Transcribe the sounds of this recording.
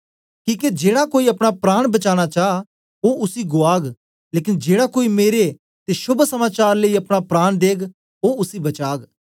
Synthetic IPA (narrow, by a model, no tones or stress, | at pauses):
kĩːked͡ʒeːɽakoːiɐpɽ̃apɾaːɽ̃bɐt͡ʃaːɽ̃at͡ʃaː | oːʊsiɡʊaːɡ | leːkɪnd͡ʒeːɽakoːimeːɾe | t̪eʃʊbʱsəmaːt͡ʃaːɾləiɐpɽ̃apɾaːɽ̃d̪eːɡ | oːʊsibɐt͡ʃaːɡ